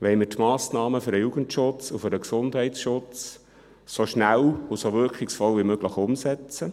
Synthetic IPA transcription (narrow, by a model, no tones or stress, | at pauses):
ʋɛɪmɪɾtmɑːsnɑːməfʏɾdəjuɡəntʃʊt͡sufʏɾdəksʊndhɛɪtsʃʊt͡s | soʃnælusoʋʏɾkχɪksfɔlʋimøɡ̥ləχʊmsɛt͡sə